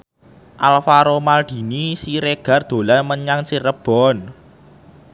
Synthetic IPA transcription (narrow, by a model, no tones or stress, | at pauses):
ʔalfaɾomald̪̥i̤nisiɾeɡ̥a̤rd̪̥o̤lanməɲaŋsirəb̥ɔ̤n